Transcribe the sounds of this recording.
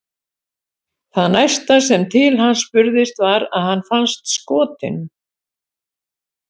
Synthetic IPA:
θaðnajst̪as̬ɛmt̪ʰɪlhanːspʏɾðɪst̪vaɾa̰ðhanːfanst̪skɔːt̪ɪ̰n

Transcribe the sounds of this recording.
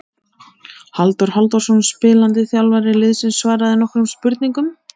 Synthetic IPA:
halt̪ɔɾ̥halt̪ɔɾsɔnspɪːlant̪ɪθjawlvaɾɪlɪðsɪnsvaːɾaðɪnɔhkɾʏmspʏɾt̪̚niŋkʏm

